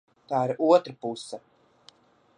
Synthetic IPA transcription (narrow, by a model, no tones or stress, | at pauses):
t̪aːiɾuɔt̪ɾapusːa